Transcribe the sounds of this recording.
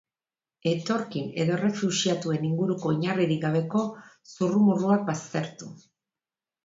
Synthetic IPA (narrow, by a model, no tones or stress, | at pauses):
e̞t̪o̞ɾkine̞ðo̞re̞fuʃiat̪ue̞niŋɡuɾuko̞iɲariɾik̚ɡaβ̞e̞ko̞ | surumuruak̚bast̪e̞ɾt̪u